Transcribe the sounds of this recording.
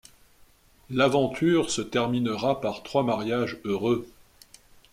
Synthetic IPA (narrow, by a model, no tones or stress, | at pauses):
lavɑ̃t̪ʰyːʁsət̪ɛʁminəʁapaʁt̪χwamaʁjaʒøʁø